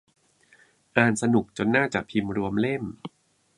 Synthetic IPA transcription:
ʔaː˨˩nsa˧nu˨˩k̚t͡ɕo˧nːaː˥˩t͡ɕaː˨˩pʰi˧mɾu˧əmle˥˩m

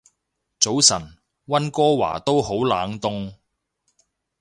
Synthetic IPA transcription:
t͡so˨˥wsɐ˨˩n | wɐ˥nkɔː˥wa̰ː˨˩t̪o˥who˨˥wlaː˨˥ŋt̪ʊ˥ŋ

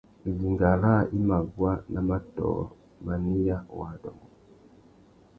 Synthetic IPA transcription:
li˨ŋɡa˨la˦˨ʔi˦ma˨ɡwa˦na˨ma˦tɔ̰˨ | ma˨ni˦ja˦wa˨dɔ̰˨ŋɡɔ˨

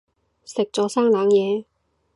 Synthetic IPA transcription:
sɪ˨k̚t͡sɔː˨˥saː˥ŋnaː˨˥ŋjɛː˨˧

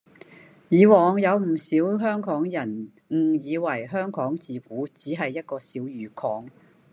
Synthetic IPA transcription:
jiː˨˧wɔː˨ŋjɐ˨˧wm̩˨˩siː˨˥wɦœː˥ŋkɔː˨˥ŋjɐ˨˩n | ŋ̩˨˩jiː˨˧wɐ˨˩jɦœː˥ŋkɔː˨˥ŋt͡siː˨˧fuː˨˥t͡siː˨˥ɦɐ˨jːɐ˥t̚kɔː˧siː˨˥wjyː˨˧kʰɔː˨˥ŋ

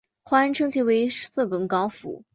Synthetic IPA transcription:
xwa˥ə˧˥nʈ͡ʂʰɤ˥ŋt͡ɕʰi˥˩we˧˥ɪ˥sɹ̩˥˩pə˨˩nkɑ˧˥ʊfṵ˨˩˦

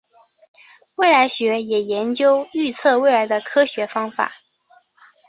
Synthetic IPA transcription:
we˥˩ɪla˧˥ɪɕɥɛ˧˥jɛ˨˩jɛ˧˥nt͡ɕjo˥ʊy˥˧t͡sʰɤ˥˧we˥˩ɪla˧˥ɪd̪ə˧kʰɤ˥ɕɥɛ˧˥fɑ˥ŋfa̰˨˩˦

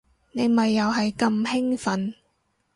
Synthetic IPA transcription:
ne˨˧jmɐ˨jːɐ˨wɦɐ˨jkɐ˧mhɪ˥ŋfɐ˨˥n

